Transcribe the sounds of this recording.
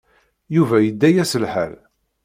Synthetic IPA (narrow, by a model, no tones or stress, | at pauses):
juvæjəd̪ːæjæsəlħæ̰l